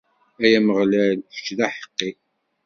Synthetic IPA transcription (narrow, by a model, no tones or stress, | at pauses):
æjæməʁlælfə̥t͡ʃːðæħə̥qːi